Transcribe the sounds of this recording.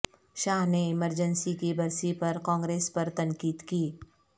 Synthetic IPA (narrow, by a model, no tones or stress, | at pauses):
ʃaːɦneɪməɾd͡ʒənsikibɐɾsipɐɾkãːŋɡɾeːspɐɾt̪ɐ̃ŋkiːd̪kiː